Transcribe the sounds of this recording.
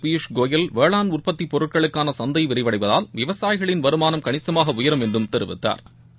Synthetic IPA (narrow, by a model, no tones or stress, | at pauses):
piʂɡoːjɪlʋeːɭaːnʊrpɐt̪ːipɔɾɯʈ̚kɐɭɯkːaːnɐsɐnd̪ɐɪʋɪɾɪʋɐɽɐɪpɐðaːlʋɪʋɐsaːjɣɐɭɪnʋɐɾɯmaːnɐmkɐɳɪsɐmaːɣɐʊjɐɾɐmɛndrɯmt̪ɛɾɯʋɪ̰t̪ːa̰ːɾ